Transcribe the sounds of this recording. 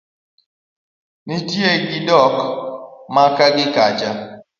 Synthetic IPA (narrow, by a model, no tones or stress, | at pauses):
nitjeɡɪdɔk | makaɡɪkat͡ʃa